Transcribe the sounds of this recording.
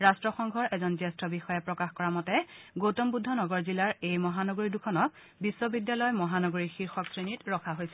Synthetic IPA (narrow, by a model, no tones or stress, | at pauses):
ɹastɹɔxɔŋɡʱɔɹʔɛzɔnzɛstʰɔbixɔjɛpɹɔkaxkɔɹamɔtɛɡotɔmbudʱːɔnɔɡɔɹzilaɹejmɔɦanɔɡoɹidukʰɔnɔk̚ | bisːɔbidjalɔjmɔɦanɔɡoɹixiɹxɔksɹenitɹɔkʰaɦojsɛ̥